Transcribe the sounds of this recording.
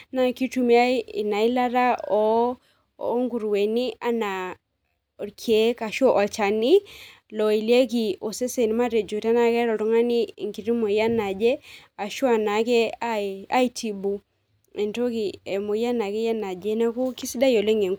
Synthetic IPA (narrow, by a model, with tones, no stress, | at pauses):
na˨ki˦tu˨mi˦a˦i˨na˨i˦la˦ɾa˦ɔ˦ | ŋɡu˨ɾwɛ˨ni˦a˦na˨ | kʰe˨˦ka˨ʃɔ˦ʔɔ˨lt͡ʃa˨ni˦ | lɔ˨i˨le˦ki˨o˨se˦sɛ˨ni˨ma˦ɾe˨d͡ʒu˨ta˦na˨kɛ˦ɾɔ˨tɔ˨˦ŋa˦ni˦˨ŋki˨ɾi˦mo˨ja˦na˨d͡ʒɛ˦a˨ʃwa˨na˨˦kɛ˦a˦a˦i˦ti˨bu˨ | ɛ˨nto˦ki˨ɛ˨mo˨ja˦na˨kɛ˦ja˦na˨d͡ʒɛ˦na˦ku˦ki˦si˦da˦jɔ˨le˦ŋe˨ŋ